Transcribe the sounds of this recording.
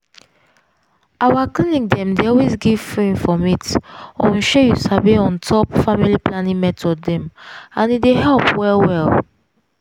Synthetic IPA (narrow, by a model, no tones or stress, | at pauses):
awaklinik̚dɛ̃mdeɔlwesɡiv̥fɹĩnfɹɔ̃mitɔ̃nʃejusaveɔ̃ntʰɔpfamiliplanĩŋmɛtʰɔdːɛ̃mãnideɦɛlpwɛlwɛl